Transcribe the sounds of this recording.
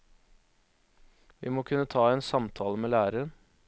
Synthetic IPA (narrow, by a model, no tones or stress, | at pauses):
ʋiːmoːkʰʉnːət̪ʰɑːeːnsɑmt̪ʰɑːləmeːlæːɾəən